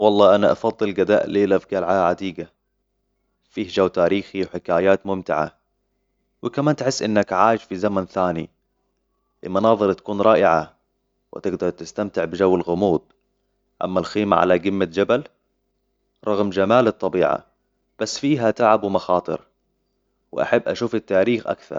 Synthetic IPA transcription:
wɑlˤːɑːʔanaʔɑfɑd̪ˤːɨlɡad̪a̰ːʔliːlafɡalʕaːʕad̪iːɡa | fiːhd͡ʒawːt̪aːɾiːxiwħɪkaːjaːt̪mʊmt̪ɪʕa̰ | wɪkamaːnt̪ħɪsːʔɪnːakʕaːjɪʃfizamanθaːnḭ | ʔɪlmɑnɑːðˤɨɾt̪ḁkuːnɾˤɑːʔɪʕa | wɪ̰t̪ɪɡd̪ɑɾˤt̪ɪst̪amt̪ɪʕbɪd͡ʒawːɪlɣʊmuːd̪̚ | ʔa̰mːalxiːma̰ʕa̰laɡɪmːad͡ʒabal | ɾˤɑɣmd͡ʒamaːlɨt̪ˤːɑbiːʕa̰ | b̥asːfiːɦat̪aʕabwɪmɑxɑːt̪ˤɨ̰ɾ | wɪ̰ʔa̰ħabːʔa̰ʃuːfɪt̪ːaːɾiːxʔa̰kθɑ̰ɾˤ

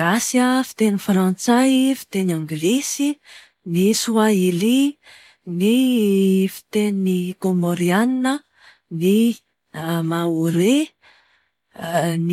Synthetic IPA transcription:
asjəfi̥t̪enifɾãnt͡sajfi̥t̪enaŋɡlisi | nisuaili | ni | fi̥t̪ennikomoɾianinə | ni | mauɾe | n

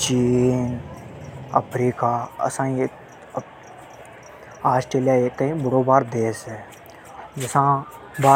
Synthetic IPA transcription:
t͡ʃiːn | ə̰pʰɾiːkaːɐ̰sãːie | aːsʈɾeːlijaːeːk̚t̪əɦĩbʊɽoːbaːɾd̪eːsɛ | d͡ʒɪsãː | baː

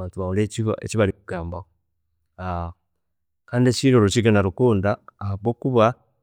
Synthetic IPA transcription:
aːntuβaoleiβḛciβaɾikuɡaːmbao | a | kaːndiet͡ʃiɾoɾot͡ʃiɡanaɾukuːndaːaβwoːkuβa

